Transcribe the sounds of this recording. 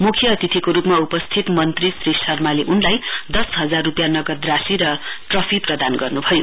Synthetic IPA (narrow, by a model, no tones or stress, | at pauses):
mukʰjʌːt̪it̪ʰikoɾupmaupʌst̪ʰit̪mʌnt̪risressʰʌrmaleʔunlajd̪ʌsɦʌd͡zarːupjanʌɡʌd̪rasiɾʌʈrʌpʰiprʌd̪anɡʌrnubʱʌjo